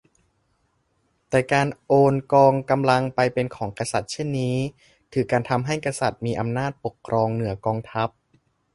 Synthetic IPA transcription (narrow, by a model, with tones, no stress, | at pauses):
t̪ɛː˨˩kaː˧nʔoː˧nkɔː˧ŋka˧mla˧ŋpa˧jpe˧nkʰɔː˩˦ŋkɾa˧sa˨˩t̪̚t͡ɕʰe˥˩nːiː˦˥ | t̪ʰɯː˩˦kaː˧nt̪ʰa˧mɦa˥˩jkɾa˧sa˨˩t̪̚miː˧ʔa˧mnaː˥˩t̪̚po˨˩kʰːɾʔɔː˧ŋnɯ˩˦ɐkɔː˧ŋt̪ʰa˦˥p̚